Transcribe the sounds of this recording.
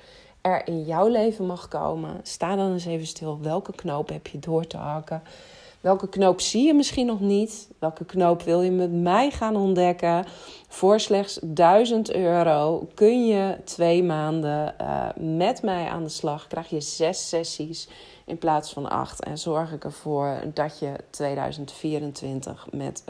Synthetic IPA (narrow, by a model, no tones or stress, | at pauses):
ɛɹɪnjɔwlejvəmɑxko̰wmə̰staːdɔnɪs̬ejvənstɪlˠʋɛlˠkəknowpɦɛpʰjədʊːɹtə̰ɦɑkə | ʋɛlˠkəknowpsijəmɪsχinɔχnitʋɛlˠkəknowpʋɪlˠjəmɛtmɛjχaːnɔndɛkəfʊɹslɛxsdœɥzəntøːɾowkønjətʰʋejmaːndə̰ | mɛtmɛjʔa̰ːndəslɑxkrɛjxjəz̥ɛsːɛsis | ʔɪnplaːsfɔna̰xtɛ̰nzɔɹxɪkəɹv̥oəɹdɔtjətʰʋeːdœ̰ɥzəntfiəɾəntʋɪntə̰xmɛ̰t